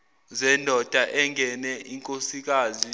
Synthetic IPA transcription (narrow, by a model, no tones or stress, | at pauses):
zɛndʱɔd̥ʱaʔɛŋɡʱɛnɛiŋkʼosik̬aːzi